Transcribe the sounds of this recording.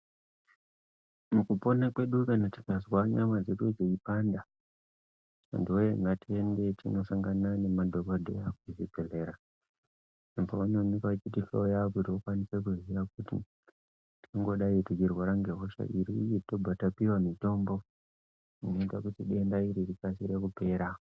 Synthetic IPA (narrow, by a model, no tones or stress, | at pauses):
mukupo̞nakwe̞ɗukanati̥kazwaɲamad͡zeɗud͡zeipanda | ḛndiwojeŋɡatie̞nde̞tino̞saŋɡanane̞madʱokodʱḛakuiziɡʱele̞ːɾa | empoanonikaat͡ʃitifḛojakutiwokwanisek̬uzirakutḭ | tiiŋɡo̞ɗaitit͡ʃirwaɾaŋɡeɦoʃa̰ʔiɾiito̞bʱatapiwamito̞ːmbo̞ | ino̞itakutiɗe̞ndaiɾirikasiɾe̞kupe̞ːɾa